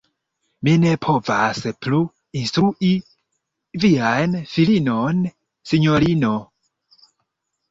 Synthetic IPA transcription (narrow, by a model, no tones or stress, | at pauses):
minɛpʰɔvasɛpʰlu | inst̪ɾuʔi | vianfilinɔn | siɲɔlinɔ